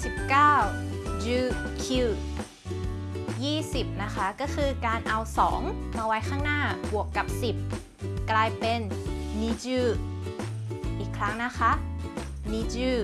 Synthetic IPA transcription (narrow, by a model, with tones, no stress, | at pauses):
si˨˩p̚kaː˥˩wd͡ʑɯː˧kʰi˧˩ | jiː˥˩si˨˩p̚na˦˥kʰa˦˥kɔː˥˩kʰɯː˧kaː˧nʔa˧wsɔ̰ː˩˦ŋmaː˧wa˦˥jkʰaː˥˩ŋnaː˥˩bu˨˩əkːa˨˩p̚si˨˩p̚ | klaː˧jpe˧nːiː˧t͡ɕɯː˧˩ | ʔiː˨˩kʰɾa˦˥ŋna˦˥kʰa˦˥ʔ | niː˧d͡ʑɯː˧˩